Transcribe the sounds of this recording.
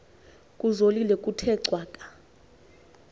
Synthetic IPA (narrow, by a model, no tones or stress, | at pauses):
kʼuzolilɛkʼutʰɛǀwaːkʼḁ